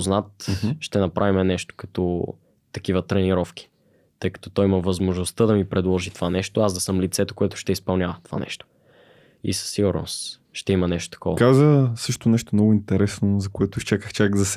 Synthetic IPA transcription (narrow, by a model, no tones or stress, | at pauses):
znat̪ʃt̪ɛnɐpɾʔavimɛnɛʃt̪o̥kɐt̪ɔ̰ | t̪ɐk̟ivət̪ɾɛniɾɔfk̟i̥ | t̪ɤjkɐ̥t̪ɔt̪ɔjimɐvɐzmoʒnost̪əd̪ɐmipɾɛd̪lˠɔʒit̪ovanɛʃt̪oazd̪ɐsɤmlit̪sɛt̪o̥koɛt̪ʊ̥ʃt̪ɛispɐlˠnʲjavɐt̪ova̰nɛ̰ʃt̪o̥ | ḭsɐ̥sːiɡʊɾno̰s | ʃt̪ɛimɐnɛʃt̪o̥t̪ɐ̥kʰɔvɐkazəsɤʃt̪onɛʃt̪omnɔɡʊint̪ɛɾɛsnozɐkoɛt̪ʊiʃt͡ʃakəxt͡ʃaɡzɐs